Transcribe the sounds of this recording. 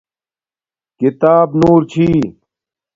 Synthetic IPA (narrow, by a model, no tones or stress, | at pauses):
kit̪aːbnuːɾt͡ɕʰiː